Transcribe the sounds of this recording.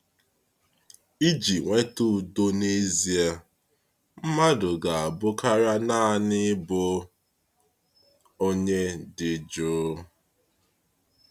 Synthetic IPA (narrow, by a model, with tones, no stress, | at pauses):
i˦d͡ʒi˨ŋʷe˦tu˦˨do˦ne˦zi˨a˨ | m̩˦ma˦dʊ˨ɡa˨a˨bʊ˦ka˦ɾa˦na˦˨nɪ˦bʊ˦ | o˦ɲe˦dɪ˨d͡ʒoː˦